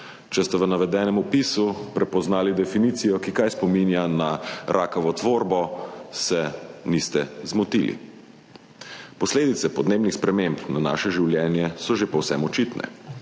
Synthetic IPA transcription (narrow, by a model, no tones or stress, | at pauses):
t͡ʃɛst̪ɛʋənaʋɛd̪ɛːnɛmupisupɾɛpɔznaːlid̪ɛfiniːt̪sijɔkikajspɔminjanaɾʔaːkɐʋɔt̪ʋoːɾbɔsɛnist̪ɛzmɔt̪ḭlḭ | pɔsleːd̪it̪sɛpɔd̪neːbnixspɾɛmempnana̰ːʃɛʒiwljɛːnjɛsɔʒepɔwsɛmɔt͡ʃit̪nʔɛ̰